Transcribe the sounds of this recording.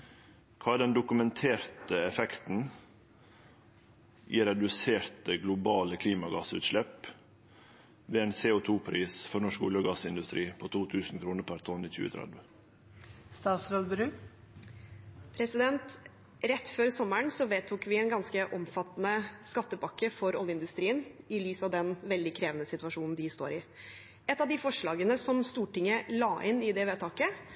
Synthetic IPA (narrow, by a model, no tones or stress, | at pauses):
kʰɑːæd̪ɛnd̪ʊkʉmɛnt̪ʰeːɾt̪əɛfɛkt̪n̩ | ʔiːɾɛd̪ʉseːɾt̪əɡlʊbɑːləkʰliːmɑɡɑsʉ̰ːt̪ʃlɛp | ʋeːæɪnseʊt̪ʰuːpʰɾiːsfɔɾnɔʂkʊljəɡɑsɪnd̪ʉst̪ɾiːpʰoːt̪ʰuːt̪ʰʉːsn̩kʰɾuːnəɾpʰæɾt̪ʰɔnːiːçʉ̰ːə̰t̪ʰɾɛ̰d̪ʋə | st̪ɑːt̪sɾolbɾʉː | pʰɾɛsɪd̪ɛnt̪ | ɾɛt̪ːføːɾsɔməɳsɔʋeːt̪ʰuːkʋɪɛːnɡɑnskəʔɔmfɑt̪ːnəskɑt̪ːəbɑkːəfɔɾɔ̰ljəɪnd̪ʉst̪ɾiːənɪlyːsɑʋd̪ɛnʋɛld̪ɪkʰɾeːʋənəsɪt̪ʋɑʂuːnn̩d̪ɪst̪o̰ːɾɪ | ɛt̪ːɑʋd̪ɪfɔʂɭɑːɡənəsɔmst̪uːʈɪŋːəlɑːʔɪnɪd̪ɛʋeːt̪ʰɑːkə